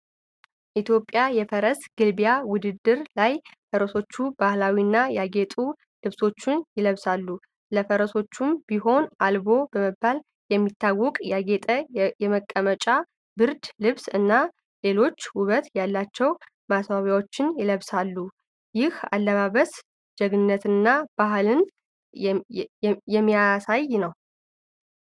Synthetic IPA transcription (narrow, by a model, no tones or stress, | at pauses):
ʔit̪ʰjo̞pʼːjajɛfəɾəsɡ̥ɨlbjawʊd̪ɨd̪ːɨɾlajfəɾəso̞t͡ʃːubahlawiɨnːajaɡe̞t̪ʼu | lɨβso̞t͡ʃːɪnjɪləβsalːu | ləfəɾəso̞t͡ʃːumb̥iɦo̞nʔalbo̞bəməbːal | jɛmːit̪ʰːawːɔkʼjaɡet̪ʼəjɛməkʼːəmət͡ʃʼa | bɨɾd̪lɨβsɨnːa | le̞lo̞t͡ʃːhuβət̪jalːat͡ʃːɛw | masβaβjawot͡ʃːɪnjɪləβsalːu | jɪha̰lːəβaβəs | d͡ʒɛɡnɨnːət̪ɨnːab̥aɦlɨn | jɛmːijasajnəw